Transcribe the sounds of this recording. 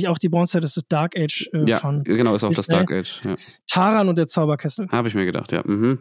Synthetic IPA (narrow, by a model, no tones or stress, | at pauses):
ɪçaʊxd̥iːbʁɔ̃sədasdɪs̚d̥aɐkɛːt͡ʃɛːa̰fɔnɡənaʊʔɪsaʊsdasdd̥a̰ːkɛ̰ːt͡ʃja̰ːtʰaːʁanʊntd̥eːɐt͡saʊbɐkʰɛsl̩haːbəɪçmiːɐɡəda̰χtja̰ːm̩mm̩